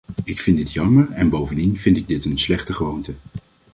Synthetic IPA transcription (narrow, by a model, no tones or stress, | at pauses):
ɪkfɪntdɪtjɑməɹɛnbowvəndinv̥ɪntɪɡ̚dɪtənslɛχtəχəʋowntə